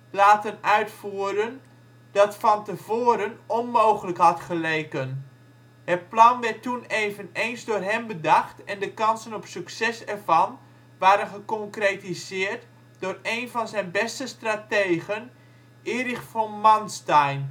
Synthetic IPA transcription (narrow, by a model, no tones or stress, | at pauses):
laːtənœɥtfuːəɾən | d̥ɔtfɑntəv̥oːəɾənɔnmowχələkhɑtχəleːkən | hətplɑnʋɛtːuneːvənejnzdʊːrɦɛmbədaxtɛndəkɑnsənɔpsyksɛsɛrvɑn | ʋaːɾənχəkɔŋkretizɪːərt | dʊreːnvɔnzɛjnbɛstəstrateːɣən | ɪːrɪxfɔmɔnstɛjn